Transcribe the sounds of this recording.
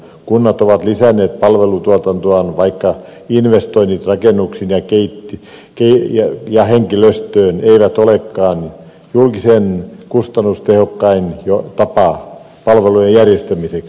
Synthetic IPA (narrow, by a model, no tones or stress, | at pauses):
kunːɑt̪oʋɑt̪lisænːˑeːt̪̚pɑlʋelut̪uot̪ɑnt̪oɑnʋɑikːɑ | inʋest̪oinːit̪rɑkenːuksinjɑkeit̪ːi | keijɑjɑheŋkiløst̪øːneiʋæt̪olekːɑːn | julkisenkust̪ɑnːust̪ehokːɑinjot̪ɑpɑ | pɑlʋelujejjærjest̪æmiseks